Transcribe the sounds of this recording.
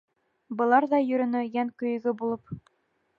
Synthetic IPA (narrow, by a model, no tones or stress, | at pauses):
bɤ̆lˠɑɾðɑjɵ̆ɾɵ̆nɵ̆jæŋkɵ̆jɘ̆ɡɵbulˠɤp